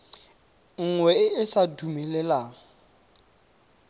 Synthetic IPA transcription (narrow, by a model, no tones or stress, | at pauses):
ŋ̩ŋwɛɪɪsadumɛlɛla